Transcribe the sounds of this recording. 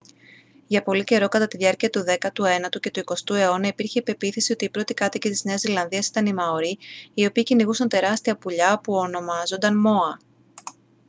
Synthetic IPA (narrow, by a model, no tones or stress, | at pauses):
ʝɐpo̞lice̞ɾo̞kɐt̪ɐt̪iðʝɐɾciɐt̪uðe̞kɐt̪ue̞nɐt̪uce̞t̪uiko̞st̪ue̞o̞nɐipiɾçeipe̞piθisio̞t̪iːpɾo̞t̪ikɐt̪icit̪izne̞ɐzilɐnðiɐsi̥t̪ɐnimɐoɾiio̞piːciniɣusɐnt̪e̞ɾɐst̪iɐpuʎɐpuono̞mɐzo̞nd̪ɐnmo̞ɐ